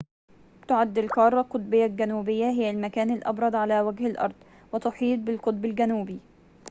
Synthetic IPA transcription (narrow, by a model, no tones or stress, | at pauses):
t̪ʊʕad̪ːɪlkɑːɾˤːɑqʊt̪̚ˤbɪjːalɡænuːbɪjːaɦɪjːælmækæːnɪlʔɑ̰bɾˤɑd̪ˤʕalæːwæɡhɪlʔɑ̰ɾˤd̪̥ˤ | wɪt̪ʊħiːt̪̚bɪlqʊt̪̚ˤbɪlɡænuːbi